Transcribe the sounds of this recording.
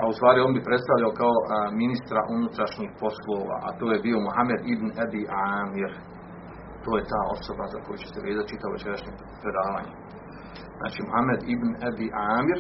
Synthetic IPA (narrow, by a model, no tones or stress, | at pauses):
aust̪ʋaːɾioːnbipɾe̞t̪st̪aʋʎaokao̞minist̪ɾaʔunut̪ɾaʃɲiːhpo̞slˠoːʋa̰ːʔa̰t̪oːjebiːo̞muhame̞d̪ibnabiʔaːmiɾ | t̪oːje̞t̪aːo̞̰so̞baza̰ko̞jut͡ɕeseʋe̞ːzat̪̚t͡ʃit̪aʋoʋet͡ʃe̞ɾaʃɲe | pɾe̞d̪aːʋa̰ːɲe | zna̰ːt͡ʃimuhamed̪ibnabiʔaːmiɾ